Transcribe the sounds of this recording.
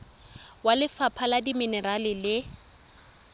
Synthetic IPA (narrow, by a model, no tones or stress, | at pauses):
walɪfapʰaladiminɛralɪlɪ